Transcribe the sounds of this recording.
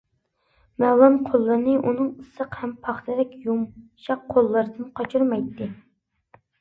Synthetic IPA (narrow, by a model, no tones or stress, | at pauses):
mɛwlˠɑmqʰolˠːɨɾnɨʔunɨŋəsəqhɛmpʰɑχt̪ʰɨd̪ɛkʲjumʃɑqʰːolˠːɨɾɨd̪ɨnqʰɑt͡ʃʰuɾmɑjt̪ʰːɪ